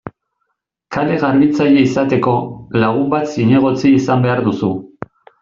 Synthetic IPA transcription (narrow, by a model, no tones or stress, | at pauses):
kale̞ɣaɾβit͡saje̞isat̪e̞ko̞laɣ̞umbat̪siɲe̞ɣ̞o̞t͡siisambe̞aɾðusu